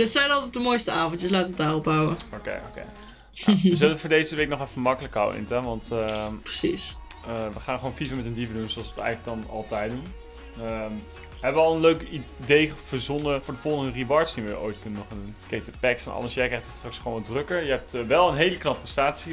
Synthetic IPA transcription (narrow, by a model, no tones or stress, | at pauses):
dətsɛjnɑɔdəmojstəaːvɔntjəslaːtəʋətdaːrɔb̚bawəokḛjo̰kḛj | əzøləfʊːɹdejzəʋejknɔχɛfəmɑkələka̰wə̰ɪ̰ntaʋɑntprəsisəʋəχaːnχəʋownfivəmɛtəndivədunzowɑlˠsʋəətɛ̰jɣələk̚ɡdɑnɑ̰lˠtɛjt̚dun | əm | ɦɛbəʋəɑlˠənløɥkidejv̥əzɔnəfʊːɹdəvɔlˠχəndəriʋɑɹtsdinʋəʔo̰jtkɵnənɔχandunkejtəpɛksɛnɑ̰lnəsjɛjkrɛjχtətstrɑksχʋownɑdrɵkəɹjəɦɛp̚tʋɛlˠənɦejləknɑp̚rəstaːtsi